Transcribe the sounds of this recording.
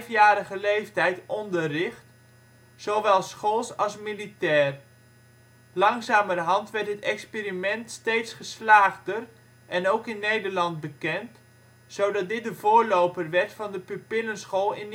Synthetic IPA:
fjaːɾəχəlejftɛjtɔndərɪχt | z̥owʋɛlˠsχolˠsɑlˠsmilitɛːr | lɑŋzaːmərɦɑntʋɛɹtɦətɛkspiːɾimɛntstejtsχəslaːχdər | ʔɛnowkɪnːejdəɹlɑnt̚bəkɛnt | sowdɑt̚dɪt̚dəvʊːɹlowpərʋɛɹtfɑndəpypɪlənsχoːlˠɪn

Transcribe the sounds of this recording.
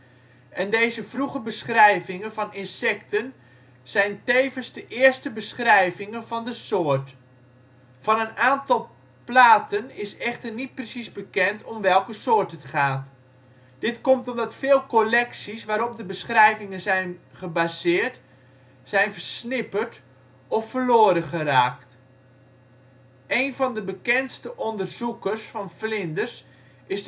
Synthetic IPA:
ʔɛndejzəvruχəbəsχrɛjvɪŋənvɑnɪnsɛktən | z̥ɛjntejvənzdəʔɪːərstəbəsχrɛjvɪŋənvɑndəsoːərt | fɑnənaːntɑlˠ | plaːtənɪsɛχtərnit̚prəsizbəkɛntʰɔmʋɛlˠkəsoːrtətχaːt | d̥ɪtkɔmtɔmdɑtfɪːlˠkolɛksisʋaːɾɔp̚dəbəsχrɛjvɪŋənzɛjnχəbazɪːrt | sɛjnvərsnɪpərt | ɔfərloːɾəχəraːkt | ʔejnvɔndəbəkɛntstəʔɔndərz̥ukərsfɑnflɪndərs | ɪs

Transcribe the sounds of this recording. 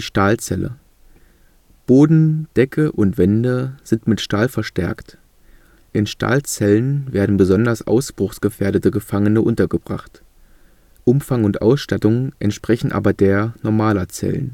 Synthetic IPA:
ʃtaːlt͡sɛlə̰ | b̥oːdn̩d̥ɛkʰəʔʊntv̥ɛndəz̥ɪntmɪtʃtaːlfɛɐʃtɛɐkt | ʔɪnʃtʰa̰ːlt͡sɛlənveːɐdn̩bəzɔndɐsʔa̰ʊsb̥ʁ̥ʊxsɡ̥əfeːɐɾətəɡəfaŋənəʔʊntɐɡəbʁa̰χt | ʔʊmfaŋʊntʔa̰ʊsʃtatʊŋʔɛntʃpʁ̥ɛçn̩ʔa̰ːbɐdeːɐnɔɐmaːlɐt͡sɛ̰lə̰n

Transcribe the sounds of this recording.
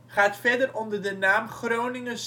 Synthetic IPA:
χaːtfɛdərɔndərdənaːmχrownɪŋəns

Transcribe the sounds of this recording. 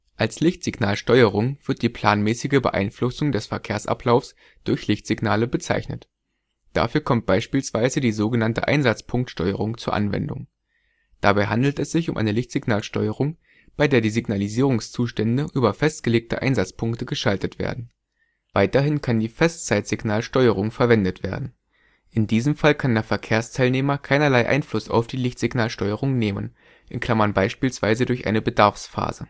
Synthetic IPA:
ʔalslɪçtz̥ɪɡnaːlʃtɔʏəʁ̞ʊŋv̥ɪɐt̚d̥iːpʰl̥aːnmɛːsɪɡəbə̰ʔa̰ɪnflʊsʊŋdɛsfɛɐkʰeːɐsʔa̰pʰlaʊfs | d̥ʊɐçlɪçtz̥iɡnaːləbət͡sa̰ɪçnə̰t | d̥a̰fyːɐkʰɔmt̚b̥aɪʃpiːlsv̥aɪzədiːzoːɡənantə̰ʔa̰ɪnzat͡spʰʊŋk̚tʃtɔʏəʁʊŋt͡suːɐʔa̰nvɛ̰ndʊ̰ŋ | d̥abaɪɦandl̩tɛsz̥ɪçʊmʔaɪnəlɪçtz̥ɪɡnaːlʃtɔʏəʁ̞ʊŋ | b̥aɪdeːɐdiːziɡnaliziːʁ̞ʊŋst͡suːʃtɛndəʔyːbɐfɛst̚ɡ̥əleːk̚tə̰ʔa̰ɪnzat͡spʰʊŋktəɡəʃaltətv̥ḛːɐdn̩ | vaɪtɐɦɪnkʰandiːfɛst͡saɪtz̥ɪɡnaːlʃtɔʏəʁ̞ʊŋfɛɐvɛndətv̥ḛːɐdn̩ | ʔɪndiːzəmfalkʰandeːɐfɛɐkʰeːɐstʰaɪlneːmɐkʰaɪnɐlaɪʔa̰ɪnflʊsa̰ʊfd̥iːlɪçtz̥ɪɡnaːlʃtɔʏəʁʊŋneːmən | ʔɪnkl̥amɐnbaɪʃpiːlsv̥aɪzədʊɐçʔa̰ɪnəbədaɐfsfa̰ːzə̰

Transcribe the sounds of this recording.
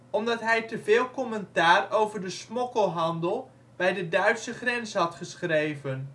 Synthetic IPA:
ɔmdɑtɦɛjtəvɪːlˠkɔmɛntaːrowvəɹdəsmɔkəlˠɦɑndəlˠ | b̥ɛjdədœɥtsəχrɛnsɦɑtχəsχrejvən

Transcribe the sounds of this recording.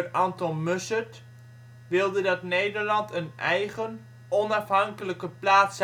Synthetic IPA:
rɑntɔnmøsət | ʋɪlˠdədɑtnejdəɹlɑntənɛjχən | ɔnɑfɦɑŋkələkəplaːts

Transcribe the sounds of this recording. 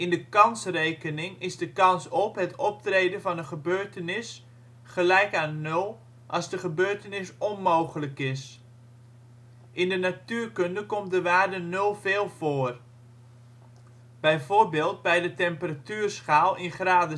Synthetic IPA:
ɪndəkɑnsrejkənɪŋɪzdəkɑnsɔpɦətɔp̚trejdənvɑnənχəbøːɹtənɪs | χəlɛjkaːnːow | ʔɑzdəχəbøːɹtənɪsɔnmowχələkɪs | ʔɪndənatyːrkøndəkɔmt̚dəʋaːrdənølˠveːlˠv̥oːər | b̥ɛjvoːrbeːlˠt̚bɛjdətɛmpəratyːrsχaːlˠɪnχraːdə

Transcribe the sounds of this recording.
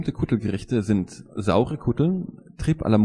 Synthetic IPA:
mtəkʰʊtl̩ɡəʁɪçtəzɪntza̰ʊʁəkʰʊtl̩ntʁ̥iːpʔa̰lɐm

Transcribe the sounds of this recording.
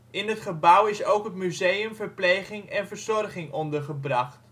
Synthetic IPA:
ɪnətχəbawɪsowkɦətmyzejəmvəɹpleːχɪŋɛnvəɹzɔrχɪŋɔndərχəbrɑχt

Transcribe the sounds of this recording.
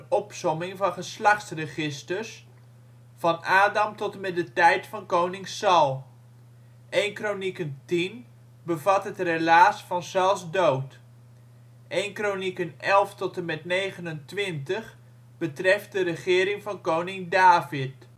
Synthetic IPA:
ɔpsɔmɪŋvɑnχəslɑχtsrəχɪstəɹs | fɑnaːdɑmtɔtəmɛdətɛjtfɑnkownɪŋsɑlˠ | ʔejnkronikəntin | bəvɑtɦətrelaːsfɑnsɛlˠsdowt | ʔejnkronikənɛlˠftɔtənmɛtnejχənəntʋɪntəχ | b̥ətrɛft̚dəɾəχɪːɾɪŋvɑnkownɪŋdaːvɪt

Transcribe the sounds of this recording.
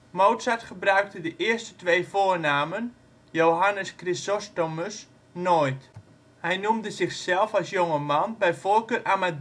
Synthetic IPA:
mowtsatχəbrœɥk̚tədəʔɪəstə̥tʋejfoːərnaːmən | jowɦanəskrisɔstoməs | nojt | hɛjnumdəzɪxsɛlˠfalˠsjoŋəmanbɛjvoːlkøːrʔamad

